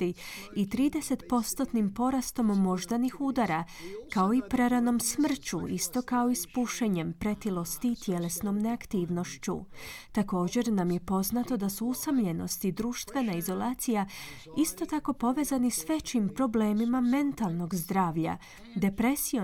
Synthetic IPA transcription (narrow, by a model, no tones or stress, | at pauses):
t̪iit̪ɾiːd̪e̞se̞t̪po̞st̪o̞t̪nimpo̞ɾast̪o̞momo̞ʒd̪anixud̪aɾakao̞ipɾeɾano̞msmr̩t͡ɕuist̪o̞kao̞ispuʃeɲe̞mpɾe̞t̪ilo̞st̪iːt̪je̞le̞sno̞mne̞akt̪iːʋno̞ʃt͡ɕṵt̪ako̞ːd͡ʑe̞ɾnamje̞po̞znat̪o̞d̪asuusamʎe̞no̞̰st̪id̪ɾuːʃt̪ʋe̞naizo̞laːt̪sija | ist̪o̞t̪ako̞po̞ʋe̞zanisʋe̞t͡ɕimpɾo̞ble̞ːmimame̞nt̪alˠno̞ɡzd̪ɾaːʋʎa̰ | d̪e̞pɾe̞sio